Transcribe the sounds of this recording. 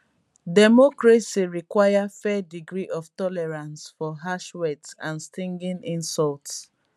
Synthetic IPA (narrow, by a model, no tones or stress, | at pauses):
dɛmɔkɹasiɹikwajafɛdiɡɹiʔɔftɔlɛɹãnsfɔɦaʃwɛtsã̰nstĩŋɡĩnĩnsɔlts